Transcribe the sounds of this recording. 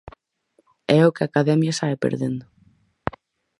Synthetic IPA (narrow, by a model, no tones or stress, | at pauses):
ɛokeakaðɛmjasaepḛɾðend̪ʊ